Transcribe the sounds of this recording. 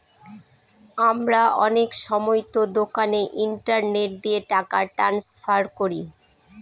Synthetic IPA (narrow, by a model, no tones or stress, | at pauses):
amɾaʔɔnekʃɔmojt̪od̪okaneʔiɳʈaɾneʈ̚d̪ieʈakaʈansfʰaɾkoɾi